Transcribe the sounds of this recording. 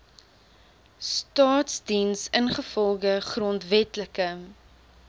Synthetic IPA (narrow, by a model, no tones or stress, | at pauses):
stɑːtsdinsənχəfɔlˠχəχrɔntvɛtləkə